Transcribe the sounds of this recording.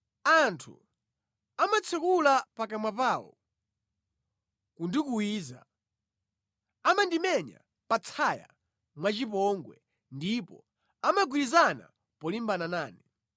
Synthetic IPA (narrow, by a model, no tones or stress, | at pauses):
antʰṵ | amat͡sʰɛkulapakamapaːwɔ̰ | kundikuwiːza̰ | amandimɛɲa̰ | pat͡sʰaja̰ | mwat͡ʃip̬ɔŋɡwɛ̰ | ndipɔ̰ | amaɡwilizana̰ | pɔlimbananaːni